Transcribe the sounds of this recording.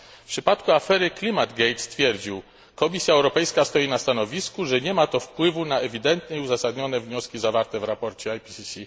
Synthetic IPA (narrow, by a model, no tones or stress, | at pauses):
pʂɘpat̪kuafɛɾɘklʲimad̪ɡɛjt̪st̪fʲjɛɾd͡ʑiw | kɔmʲisʲjaɛwɾɔpɛjskast̪ɔjinast̪anɔvʲiskuʐɛɲɛmat̪ɔfpwɘvunaɛvʲid̪ɛnt̪ɲɛiuzasad̪ɲɔnɛvɲɔskʲizavaɾt̪ɛvɾapɔɾt͡ɕɛajpʲisʲisʲi